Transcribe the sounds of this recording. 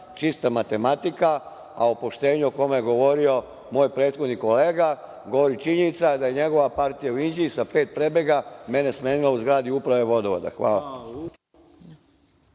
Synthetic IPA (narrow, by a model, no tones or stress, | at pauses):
t͡ʃist̪amat̪e̞mat̪ika | aopo̞ʃt̪e̞ːɲuoko̞mejeɡo̞ʋo̞ɾio̞ | mo̞ːjpɾeːt̪xo̞d̪niko̞le̞ːɡa | ɡo̞ʋo̞ɾit͡ʃiɲenit̪sad̪aje̞ɲe̞ɡo̞ʋapaɾt̪ijauind͡ʑiisape̞ːt̪̚pɾe̞be̞ɡame̞nesmeːnilauzɡɾaːd̪iupɾaʋe̞ʋo̞d̪oʋo̰d̪a̰xʋaːla̰